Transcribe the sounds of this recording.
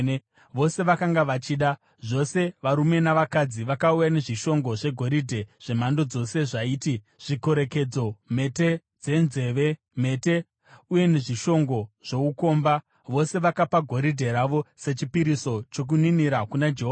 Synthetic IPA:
ʋo̞se̞ʋakaŋɡaʋat͡ʃiːɗa | ʐo̞se̞ʋaɾume̞naʋakad͡ziʋakaujane̞ʐiʃo̞ŋɡo̞ʐe̞ɡʱo̞ɾidʱe̞ʐ̥e̞m̤ando̞d͡zo̞se̞ʐaiːti | ʐ̥iko̞ɾe̞ke̞d͡zo̞me̞te̞ | d͡ze̞nze̞ʋe̞ | me̞ːte̞ | uje̞ne̞ʐiʃo̞ŋɡo̞ʐ̥o̞uko̞ːmba | ʋo̞se̞ʋakapaɡʱo̞ɾidʱe̞ɾaʋo̞se̞t͡ʃipiɾiso̞t͡ʃo̞k̬uniniɾakunad͡ʒeɦoːa

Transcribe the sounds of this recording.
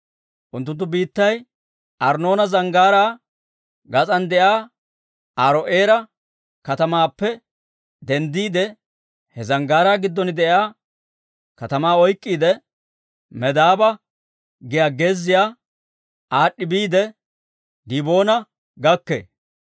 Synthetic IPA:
ʔʊnt̪ːʊnt̪ːʊbiːt̪ːɐj | ʔɐɾno̞ːnɐzɐŋɡaːɾaː | ɡɐt͡sʼɐnd̪ɛjaː | ʔaɾɔʔeːɾɐ | kɐt̪ɐmaːpːɛ | d̪ɛnd̪iːd̪ɛ | hɛzɐŋɡaːɾaːɡɪd̪ːɔnɪd̪ɛʔaː | kɐt̪ɐmaːɔjkʼːiːd̪ɛ | mɛd̪aːbɐ | ɡɪjaːɡeːzːɪjaː | ʔaːɗːɪbiːd̪ɛ | d̪ibo̞ːnɐ | ɡɐkːḛ

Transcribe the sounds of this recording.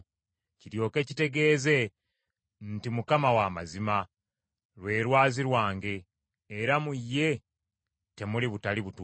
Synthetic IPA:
ciɾjo̞ːke̞ːcite̞ɡe̞ːze̞ | ntimukamawamazima | lwe̞ːɾwaːziɾwaːŋɡe̞ː | ɾamujːe̞ | te̞muliβutaliβut

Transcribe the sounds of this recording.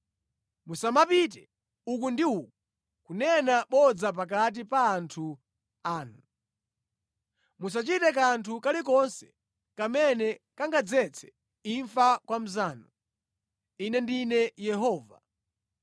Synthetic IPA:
musamapit̬ɛ | uk̬undiuku | kunɛnaɓɔd͡zap̬akat̬ipaːntʰu | aːnu | musat͡ʃitɛkantʰukalik̬ɔnsɛ̥ | kamɛnɛkaŋɡad͡zɛt͡sʰɛ̥ | iɱfakwam̩zaːnɔ | inɛndinɛjɛɦɔːva̰

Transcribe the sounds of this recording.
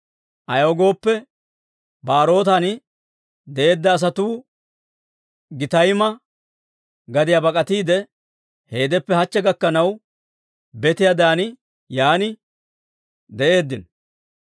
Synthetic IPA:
ʔɐjoːɡo̞ːpːɛ | baːɾo̞ːt̪ɐnɪ | d̪ɛʔe̞ːd̪ːɐːs̬ɐt̪uː | ɡɪt̪ɐjmɐ | ɡɐd̪ɪjɐbɐkʼɐt̪iːd̪ɛ | he̞ːd̪ɛpːɛhɐt͡ʃːɛɡɐkːɐnɐw | bɛt̪ɪjad̪aːnɪ | jaːnɪ | d̪ɛʔe̞ːd̪ːɪn

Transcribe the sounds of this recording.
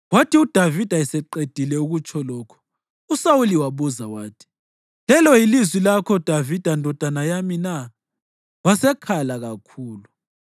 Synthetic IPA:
watʰiud̥ʱavid̥ʱaɛsɛǃed̥ʱilɛuɣut͡ʃʰɔlɔːkʰɔ̥ | usawuliwaβuzawaːtʰi̥ | lɛlɔjilizwilakʰɔd̥ʱavid̥ʱandʱɔd̥ʱanajamina | wasɛkʰalaɣakʰuːlu

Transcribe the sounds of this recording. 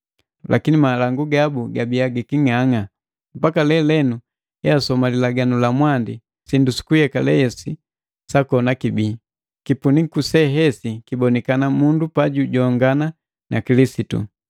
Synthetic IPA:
lʔa̰kinimalaŋɡuɡabuɡabiaɡikiŋaŋa | m̩pakalɛlɛnu | ɛasɔmalilaɡanulamwandi | sindusi̥kujɛkalɛɛsi | sakɔnakibiː | kipunikusɛɦɛsikibɔnɛkanamundupaɟuɟɔŋɡana | nʔakilisitṵ

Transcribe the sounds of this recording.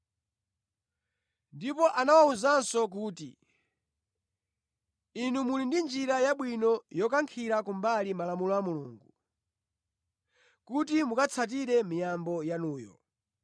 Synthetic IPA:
ndipɔʔanawauzansɔk̬uːtḭ | inumulindind͡ʒiɾajaɓwinɔjɔkaŋkʰiɾakumbalimalamulɔamuluːŋɡu | kutimukat͡sʰat̬iɾɛmijambɔjanuːjɔ̰

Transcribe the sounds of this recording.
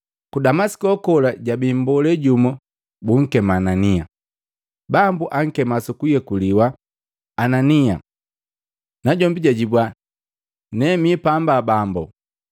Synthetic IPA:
kudamasi̥kɔkɔlaɟabimbɔlɛɟumɔ | buŋ̩kɛmaːnania̰ | bambuʔaŋ̩kɛmasukujɛkuliwaː | nania̰ | naɟɔmbiɟaɟibwa | nɛmipambabambɔ

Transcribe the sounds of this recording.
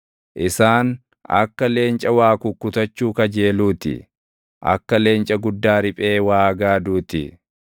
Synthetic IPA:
ʔɪsaːn | ɐ̰kːɐle̞ːnt͡ʃʼɐwaːkʊkːʊt̪ɐt͡ʃːuːkɐd͡ʒe̞ːluːt̪ɪ̰ | ʔɐ̰kːɐle̞ːnt͡ʃʼɐɡʊd̪ːaːɾɪpʼe̞ːwaːɡaːd̪uːt̪ɪ̰

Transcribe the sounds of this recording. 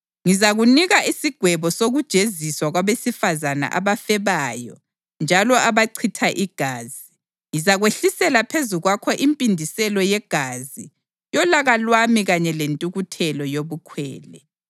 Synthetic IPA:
ŋizaɣuniɣaʔisiɡ̥ʱwɛβɔsoɣud̥ʒ̥ʱeziswaɣwaβesifazana̰ʔa̰βafɛβajɔ̰ | nd͡ʒʱalɔaβaǀʰitʰaʔiɡ̥ʱaːzi | ŋizaɣweɬisɛlapʰezuɣwakʰɔʔimpʼindʱisɛlɔjɛɡ̥ʱazi | jɔlaɣalwamiɣaɲɛlentʼuɣutʰɛlɔjoβukʰwɛ̰ːlɛ

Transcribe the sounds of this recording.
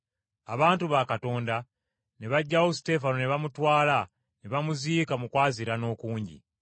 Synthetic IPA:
aβaːntuβakato̞ːnda | neβaɟːawosi̥te̞fanoneβamutwaːla | neβamuziːkamukwaːziɾano̞ːkuːɲɟḭ

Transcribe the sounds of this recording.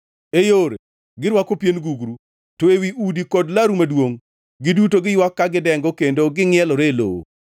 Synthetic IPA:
ejoɾe | ɡɪɾwakopjenɡuɡɾu | toewiʔudikɔdlaɾumadwoŋ | ɡɪdutoɡɪjwakːaɡɪdɛŋɡɔkendoɡɪŋɪɛlɔɾelo̰wo̰

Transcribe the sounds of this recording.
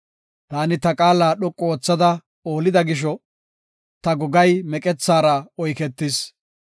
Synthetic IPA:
t̪aːnɪt̪ɐkʼaːlaːɗɔkʼːɔoːt͡sːɐd̪ɐ | o̞ːlɪd̪ɐɡɪʃ̬ɔ | t̪ɐɡɔɡɐjmɛkʼɛt͡sːaːɾɐɔjkɛt̪ːɪs

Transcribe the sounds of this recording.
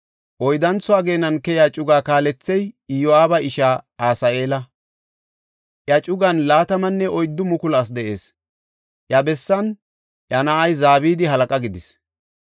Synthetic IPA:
ʔɔjd̪ɐnt͡sʊaːɡeːnɐnkɛjaːt͡ʃʼʊɡaːkaːlɛt͡sːɛjɪjoaːbɐɪʃaːaːsɐe̞ːlɐ | ʔjɐt͡ʃʼʊɡɐnlaːt̪ɐmɐnːɛʔɔjd̪ːʊmʊkʊlas̬d̪ɛʔe̞̰ːs | ʔjɐbɛsːɐn | ʔjɐnaɐjzaːβiːd̪ɪɦɐlɐkʼɐɡɪd̪ɪs

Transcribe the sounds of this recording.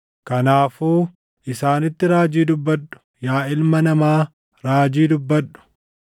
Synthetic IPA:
kɐnaːfuː | ʔɪsaːnɪt̪ːɪɾaːd͡ʒiːd̪ʊbːɐɗːʊ̥ | jaːɪlmɐnɐmaː | ɾaːd͡ʒiːd̪ʊbːɐᶑːʊ̥

